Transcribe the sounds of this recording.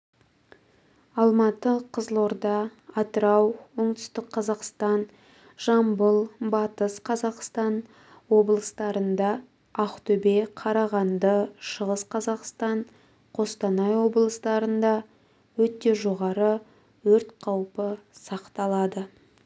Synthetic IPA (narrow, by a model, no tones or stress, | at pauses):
ɑlˠmɑt̪əqʰəzlˠoɾd̪ɑːt̪əɾɑwoɴd̪ʏ̥st̪əqʰːɑzɑqst̪ɑn | ʒ̥ɑmbəlˠbɑt̪əsqʰɑzɑqst̪ɑn | wo̞blˠəst̪ɑɾənd̪ɑ | ɑχt̪ɵbeqʰɑɾɑʁɑnd̪əʃəʁəsqʰɑzɑqst̪ɑɴ | qʰo̞st̪ɑnɑjwo̞blˠəst̪ɑɾənd̪ɑ | wɵt̪ːe̞ʒo̞ʁɑɾə | wɵɾt̪qʰɑwpəsɑqt̪ɑlˠɑd̪ə